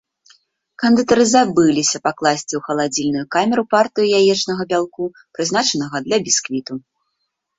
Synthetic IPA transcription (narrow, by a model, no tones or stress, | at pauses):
kɐnd̪ɨt̪ɐɾɨzabɨlʲisʲɐpaklˠasʲt͡sʲiwxɐlˠad͡zʲilʲnujukamʲɛɾupart̪ɨjujajɛt͡ʂnɐɣɐbʲalˠku | pɾɨznat͡ʂɐnɐɣɐd̪lʲɐbʲiskvʲit̪u